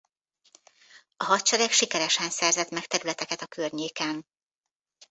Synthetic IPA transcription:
ɒɦɒt̪t͡ʃɛɾɛkʃikɛɾɛʃɛnsɛrzɛt̪mɛkt̪ɛɾylɛt̪ɛkɛt̪ɒkʰørɲeːkɛn

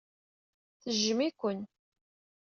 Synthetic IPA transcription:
θəʒːəmikʷən

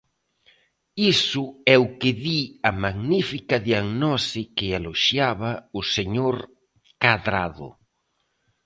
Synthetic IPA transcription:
isʊɛʊkɪðiɐmaɣnifikɐðjaɣnɔsikɪaloʃjaβɐʊseɲoɾ | kaðɾaðʊ̰

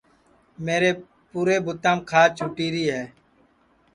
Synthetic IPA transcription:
meːɾeː | puːɾeːbʊt̪ãːmkʰaːt͡ʃʰʊʈiːɾiːɦɛː

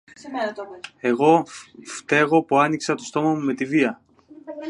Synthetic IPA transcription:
e̞ɣo̞ft̪e̞ɣo̞puɐniksɐt̪o̞st̪o̞mɐmume̞t̪iviɐ

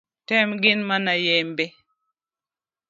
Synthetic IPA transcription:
tɛmɡɪnmanajembe

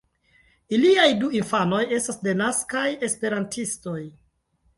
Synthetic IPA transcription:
iliajduinfano̞je̞stasde̞naskaje̞spe̞ɾantʰisto̞j

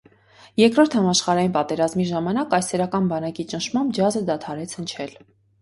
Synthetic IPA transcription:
jɛɾkɾɔɾt̪ʰhɑmɑʃχɑɾɑjinpɑt̪ɛɾɑzmiʒɑmɑnɑkɑjsɛɾɑkɑnbɑnɑkit͡ʃənʃʰmɑmbd͡ʒɑzəd̪ɑt̪ʰɑɾɛt͡sʰhənt͡ʃʰɛl

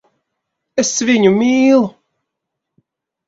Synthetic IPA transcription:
ɛsviɲumiːlˠu

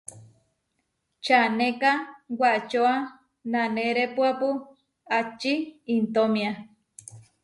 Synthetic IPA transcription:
t͡ʃanẽkawat͡ʃoa | nanẽɾepuapu | at͡ʃiːnt̪omia

